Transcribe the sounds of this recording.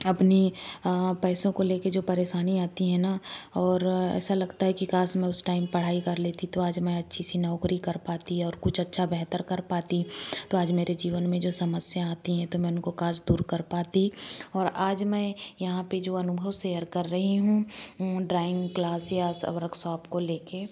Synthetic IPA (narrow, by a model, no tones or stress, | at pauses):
ɐpni | pɛːsõkoleːked͡ʒoːpɐɾeːʃaːniaːt̪iɦɛ̃naɔːɾɛ̰ːsalɐɡt̪aɦɛkikaːsmɛ̃ʊsʈaːɪmpɐɽ̤aːikɐɾleːt̪it̪oaːd͡ʒmɛ̃ɐtːʃʰisinɔːkɾikɐɾpaːt̪iɦɛɔːɾkʊt͡ʃʰɐtːʃʰabɛɦt̪əɾkɐɾpaːt̪it̪oaːd͡ʒmeːɾed͡ʒiːʋənmẽd͡ʒoːsɐməsjaːt̪iɦɛ̃t̪omɛ̃ʊnkokaːd͡ʒd̪uːɾkɐɾpaːt̪iɔːɾaːd͡ʒmɛ̃jɐɦãped͡ʒoːɐnʊbʱəwsejəɾkɐɾːɐɦiɦũɖɾaːɪ̃ŋɡklaːsjaːsɐ̰ʋɾəksɔaːpkoleːkeː